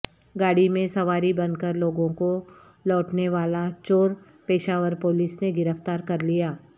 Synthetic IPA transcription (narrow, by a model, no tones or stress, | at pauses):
ɡaːɽimẽsɐʋaːɾibɐ̃nkəɾloːɡõko | lɔːʈneʋaːlat͡ʃoːɾ | peːʃaːʋəɾpoːlisneɡɪɾəft̪aːɾkɐɾlijaː